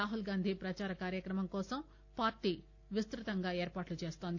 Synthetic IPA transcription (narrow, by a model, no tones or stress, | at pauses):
aːɦulɡaːnd̪ʱipɾɐt͡ʃaːɾɐkaːɾjɐkɾɐmɐmkɔːsɐm | paːɾʈiː | ʋist̪ɾut̪ɐŋɡaːeːɾpaːʈlut͡ʃe̞ːst̪oːnd̪